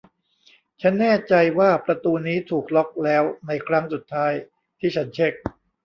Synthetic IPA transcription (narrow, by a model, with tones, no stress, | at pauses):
t͡ɕʰa˦˥nːɛː˥˩t͡ɕa˧jwaː˥˩pɾa˧t̪uː˧niː˦˥t̪ʰuː˨˩k̚lɔ˦˥k̚lɛː˦˥wna˧jkʰɾa˦˥ŋsu˨˩t̪ʰːaː˦˥j | t̪ʰiː˥˩t͡ɕʰa˦˥nt͡ɕʰe˦˥k̚